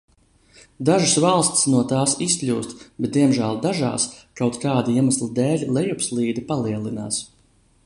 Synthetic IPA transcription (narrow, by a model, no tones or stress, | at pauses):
d̪aʒusvalˠst̪ʲsnuɔt̪aːsisklʲuːst̪bɛt̪̚d̪iɛmʒælˠd̪aʒa̰ːskawt̪kaːd̪iiɛmaslˠid̪ɛːlʲlˠɛjupslˠiːd̪ipaliɛlˠina̰ːs